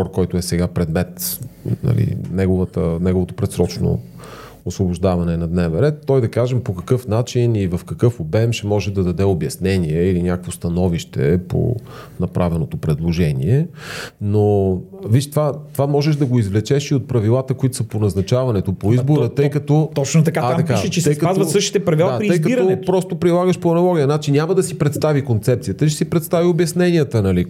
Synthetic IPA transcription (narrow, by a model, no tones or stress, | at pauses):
ɔɾkɔjt̪ʊɛsɛɡapɾɛd̪mɛt̪nɐ̰lḭnɛɡovət̪ənɛɡovot̪opɾɛt̪sɾɔt͡ʃno̰ | osvobʊʒd̪avɐnɛnɐd̪nɛvɛnɾɛt̪ːɔjd̪ɐkaʒɛmpokɐkɤfnat͡ʃinivɐfkɐkɤfobɛmʃɛmɔʒɛd̪ɐd̪ɐd̪ɛobjɐsnɛniɛilinʲakəkvost̪ɐnɔviʃt̪ɛ̰po̰ | nɐpɾʔavɛnot̪opɾɛd̪lˠoʒɛnḭɛnoviʃt̪vat̪ovamɔʒɛʒd̪ɐɡoizvlɛt͡ʃɛʃiot̪̚pɾɐvilˠat̪əkoit̪o̥sɐponɐznɐt͡ʃavɐnɛt̪opoizboɾət̪ɤjkɐt̪ɔt̪ɔt͡ʃnot̪ɐkaaɐkaɛt͡ʃɛsɛjkɐtazvɐt̪səʃt̪i̥t̪ɛpɾɐvilˠaatːɾiəjkɐiɾɐɔt̪pɾɔst̪opɾilˠaɡəʃpoɐnɐlˠɔɡʲijənat͡ʃinʲjamɐd̪ɐsipɾɛt̪st̪avikont̪sɛp̚t̪sijət̪əʃ̬ɛ̥sipɾɛt̪st̪aviobjɐsnɛnʲiət̪ənɐli